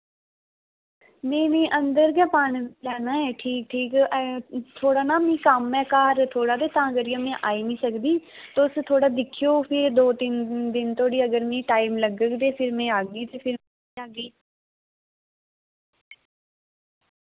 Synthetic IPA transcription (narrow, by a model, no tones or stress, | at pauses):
mɛ̃ːnẽːʔənd̪əɾɡɛːpaːɳlɛːnaːɦɛːʈʰiːk̚ʈʰiːkː | t̪ʰoːɽaːnaːmĩːkəmɛ̃ːkaːɾt̪ʰoːɽaːd̪eːt̪ãːəɡəɾijãːmɛ̃ːʔaːiːnĩːsəkd̪iːt̪oʊst̪ʰoːɽaːd̪ɪkʰijoːpʰɪɾd̪oːt̪iːnd̪ɪnt̪oːɽiːəɡəɾmĩːʈaːimləɡəkd̪eːpʰɪɾmɛ̃ːaːɡiːt̪eːpʰɪɾ | aːɡiː